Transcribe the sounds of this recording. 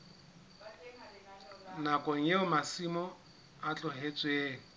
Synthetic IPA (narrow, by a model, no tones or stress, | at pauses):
nakʼɔŋ̩jeʊmasimɔ | at͡ɬʼʊɦet͡sʼweːŋ̩